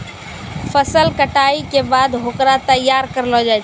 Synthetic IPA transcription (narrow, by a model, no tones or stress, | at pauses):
pʰəsəlkəʈaikebad̪ɦokɾat̪əjːaɾkəɾlɦɔd͡ʒajt͡ʃʰ